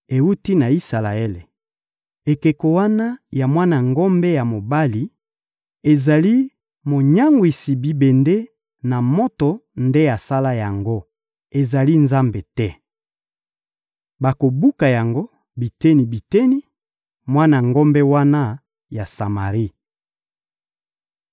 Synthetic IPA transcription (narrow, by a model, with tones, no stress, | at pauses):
e˨u˦ti˦na˨i˦sa˨la˨e˦le˨ | e˨ke˨ko˨wa˦na˦ja˨mwa˦na˨ŋɡo˦mbe˦ja˨mo˨ba˦li˨ | e˨za˨li˦ | mo˨ɲa˦ŋɡwi˨si˨bi˨be˨nde˦ | na˨mo˦to˨nde˦a˨sa˦la˦ja˨ŋɡo˦ | e˨za˨li˦nza˦mbe˨tɛ˦ | ba˨ko˨bu˦ka˨ja˨ŋɡo˦ | bi˨tɛ˦ni˨bi˨te˦ni˦ | mwa˦na˨ŋɡo˦mbɛ˦wa˦na˦ | ja˨sa˨ma˨ʁi˦